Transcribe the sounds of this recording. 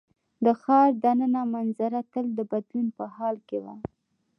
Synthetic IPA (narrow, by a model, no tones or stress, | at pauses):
d̪əxɑɾd̪anənamanzaɾat̪əld̪əbad̪lunpəhɑlkewa̰